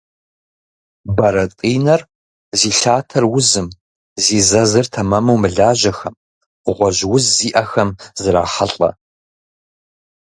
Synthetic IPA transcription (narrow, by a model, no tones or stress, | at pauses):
bɐɾɐtʼiːnɐr | ziːɬaːtʰɐrwʊzɨm | ziːzɐzɨrtʰɐmɐmɐwmɨɮaːʑɐxɐm | ʁʷɔʑwʊzːiːʔɐxɐmzɨɾa̰ːħɐɬʼɐ̰